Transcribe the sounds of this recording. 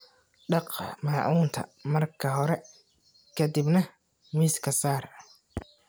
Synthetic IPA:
ɖɑqmɑːʕuːnt̪ʰɐ̰mɐrkʰɐɦɔɾɛ | kʰɐd̪ibnɐ | miːskʰɐsaːr

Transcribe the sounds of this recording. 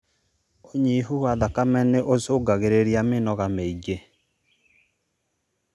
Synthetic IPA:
oɲiɦuwaðakamɛneʔosoɡaɣeɾeɾiamenɔɣameiɡe

